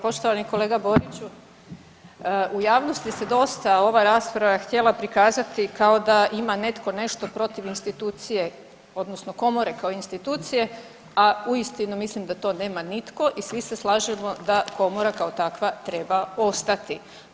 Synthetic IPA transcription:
po̞ʃt̪oʋaniko̞le̞ːɡabo̞ɾit͡ɕu | ujaːʋno̞st̪ise̞d̪o̞st̪ao̞ʋaɾaːspɾaʋaxt̪ʲje̞lˠapɾikaːzat̪ikaod̪aimane̞t̪ko̞ne̞ʃt̪o̞pɾo̞t̪iʋinst̪it̪uːt̪sije̞ | o̞d̪nosnoko̞mo̞ɾe̞kaoinst̪it̪uːt̪sije̞ | auist̪inumislimd̪at̪o̞ːne̞ːmanit̪ko̞ʔisʋiseslˠaːʒemo̞d̪ako̞moɾakaot̪akʋat̪ɾe̞bao̞st̪at̪i

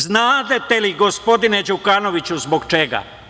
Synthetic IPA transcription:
znaːt̪et̪eliɡo̞spo̞d̪ine̞d͡ʑukano̞ʋit͡ɕuzbo̞ɡt͡ʃeɡa̰

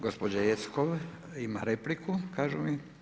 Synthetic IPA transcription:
ɡospod͡ʑajet̪skoʋ | imaɾeplikukaːʒumi

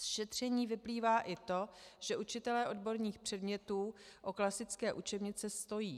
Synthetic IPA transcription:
sʃɛt̪r̝̥ɛɲiːvɪpliːvaːʔɪt̪o̞ʒ̥ɛʔut͡ʃɪt̪ɛlɛːʔo̞dbo̞ɾɲiːxpr̝̥ɛdmɲɛt̪uːʔo̞klasɪt͡skɛːʔut͡ʃɛbɲɪt͡sɛst̪o̞jiː

